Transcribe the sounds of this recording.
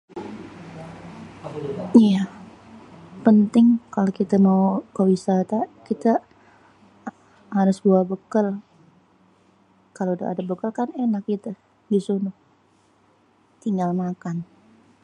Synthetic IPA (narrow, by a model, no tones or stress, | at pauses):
ija | pənt̪ɪŋkalokit̪amakəwisat̪akit̪a | haɾʊsbuabəkəl | kaloda̰ʔːdabəkəlkanenak̚it̪a | disunʊh | t̪iŋɡalmakan